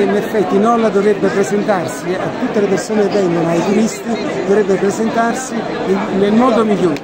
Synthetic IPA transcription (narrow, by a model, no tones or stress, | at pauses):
inefːɛt̪ːinɔlːad̪ovɾebːepɾezent̪arsiat̪ːut̪ːelepersoːnevɛŋɡonoajt̪uɾist̪id̪ovɾɛbːepɾezent̪arsi | nelmɔːd̪omiʎːoː